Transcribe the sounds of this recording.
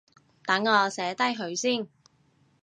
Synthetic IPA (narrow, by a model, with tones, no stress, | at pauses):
t̪ɐ˨˥ŋːɔː˨˧sɛː˨˥t̪ɐ˥jɦɵ˨˧ɥsiː˥˩n